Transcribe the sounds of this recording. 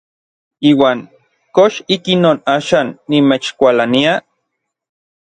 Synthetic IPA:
iːwaːŋ | koʃikinoːnaːʃaːnːimet͡ʃkʷalania

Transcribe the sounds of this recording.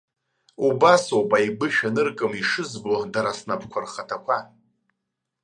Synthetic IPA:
ubasopʼajbɨʃᶣanɨrkʼɨmiʂɨzbodaɾasnapʰkʷʰarχatʰakʷʰa

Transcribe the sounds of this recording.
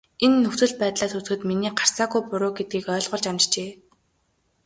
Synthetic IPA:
enːɵxt͡sɵ̆ɮ̚pæːt̪ɮaːsut͡s̆xɘ̆t̪miniːɢar̥saːɣujpʊɾʊːɡet̪̚ɡiːkœːɮʁʊ̆ɮt͡ɕamt͡ɕt͡ɕeː

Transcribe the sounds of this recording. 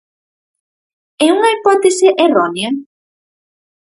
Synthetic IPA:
euŋaipɔt̪eseʔeronea

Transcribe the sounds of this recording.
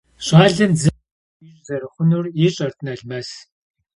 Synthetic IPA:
ɕʼaːɮɨnd͡zɨ | iɕzɐrɨχʷʊnuːrjiɕʼɐrt̪ʰnɐɮmɐs

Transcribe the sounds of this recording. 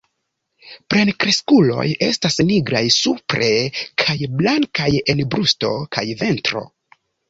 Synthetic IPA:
pɾe̞nkɾe̞skulo̞̰je̞̰stasniɡɾajsupɾe̞kʰajblaŋkaje̞nbɾusto̞̰kʰajve̞ntɾo̞̰

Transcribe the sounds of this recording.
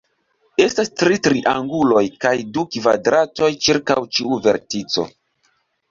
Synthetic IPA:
e̞stastɾitɾiʔaŋɡulo̞jkajdukva̰dɾato̞jt͡ʃiɾkawt͡ʃiuve̞ɾtit͡so̞̰

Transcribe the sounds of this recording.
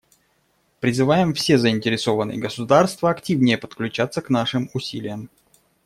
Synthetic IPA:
pɾʲɪzɨvajɪmfsʲe̞zəɪnʲtʲɪɾʲɪso̞vənːɨ̰jə̰ɡəsʊd̪arst̪vəɐktʲivnʲɪjəpə̥t̪klʲʉt͡ɕat̪sːəkn̪aʂɨmʊsʲilʲɪjəm

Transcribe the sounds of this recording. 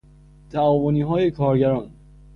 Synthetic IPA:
t̪ʰæɒːvoniːɦɒːjekʰɒːɾɟæɾɒːn

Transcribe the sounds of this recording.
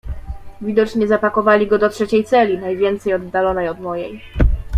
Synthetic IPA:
vʲid̪ɔt͡ʂɲɛzapakɔvalʲiɡɔd̪ɔtʂɛt͡ɕejt̪sɛlʲinajvʲjɛnt̪sɛjɔd̪ːalɔnɛjɔd̪mɔjɛj

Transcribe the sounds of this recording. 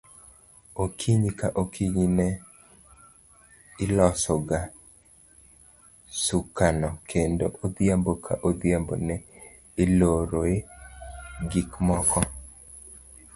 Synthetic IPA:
okʰiɲikaʔokʰiɲinɛ | ɪlɔsɔɡa | sukanɔkʰendoʔod̪jambokʰa̰ʔod̪jambo̰nɛ | ɪloɾoe | ɡikmɔkɔ

